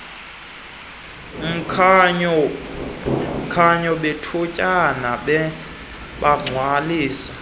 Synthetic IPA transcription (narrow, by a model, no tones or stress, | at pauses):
kʰaɲɔɓetʰucʼanaɓɛ | ɓaŋ͡ǀʱwaliːsḁ